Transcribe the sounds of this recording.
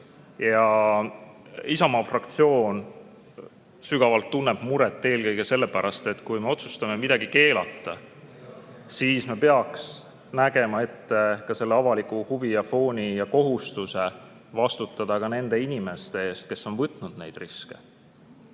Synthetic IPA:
jɑ | isɑmɑfrɑkt̪sio̞ːn | syɡ̥ɑvɑlt̪ːunːeb̥muɾɛt̪ːe̞ːlkɤjɡe̞se̞lːe̞pæɾɑst̪e̞t̪kujme̞o̞t̪su̥st̪ɑme̞mid̪ɑɡike̞ːlɑ̰t̪ːˑɑ | siːsme̞peɑks | næɡe̞mɑe̞t̪ːe̞kɑse̞lːeɑvɑlikˑuhuvijɑfo̞ːnʲijɑko̞ɦust̪use̞ | vɑst̪ut̪ːˑɑd̪̥ɑkɑne̞nd̪e̞inime̞st̪e̞e̞ːst̪̚ke̞sːo̞nvɤt̪ːˑnud̪̥ne̞̰jd̪̥riske̞̥̰

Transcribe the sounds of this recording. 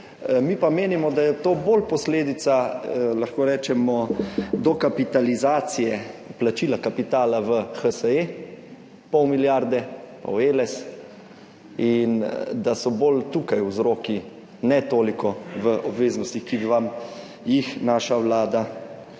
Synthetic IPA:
mipameːnimɔd̪ajɛt̪oːboːlpɔsleːd̪it̪salaxkoːɾɛːt͡ʃɛmɔd̪ɔkapit̪alizaːt̪sijɛplat͡ʃilakapit̪aːlaʋəxəsəe | pɔwmiljaɾd̪ɛpa̰welɛs | ind̪asɔbolt̪ukajwzɾoːki | nɛt̪oːlikɔʋəʔɔbʋeːznɔst̪ixkibiʋam | jixnaːʃaʋlaːd̪a

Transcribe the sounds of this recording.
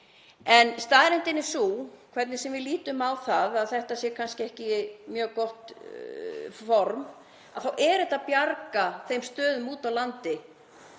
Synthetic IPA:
ɛnst̪aːðɪɾɛnt̪ɪnɪsuːkʰvɛɾt̪nɪsɛmvɪðliːt̪ʏmawθaðaðθɛht̪asjɛɾkʰanscɪɛhcɪmjœːɣkɔht̪ | fɔɾm | aðθawʔɛːɾɪt̪aðpjaɾkaθejmst̪œːðʏmuːt̪awlant̪ɪ

